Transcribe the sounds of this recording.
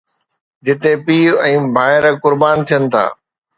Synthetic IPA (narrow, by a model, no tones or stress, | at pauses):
d͡ʑɪt̪epiːɛ̃ːbʱaːɪɾkʊɾbaːnt̪ʰijənɪ̆t̪ʰa̰ː